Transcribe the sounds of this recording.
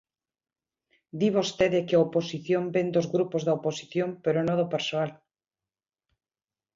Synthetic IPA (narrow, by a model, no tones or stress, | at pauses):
d̪iβost̪eðekeaoposiθjombend̪ozɣɾupozðaoposiθjompeɾonõðopeɾsoal